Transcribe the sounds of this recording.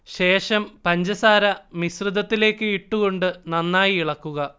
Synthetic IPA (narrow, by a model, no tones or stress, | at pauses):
ɕe̞ːʂɐmpɐɲd͡ʑɐsaːɾɐmisrɨd̪ɐt̪ːile̞ːkːɨiʈːuɣo̞ɳɖɨnɐnːaːjiiɭɐkːuɣɐ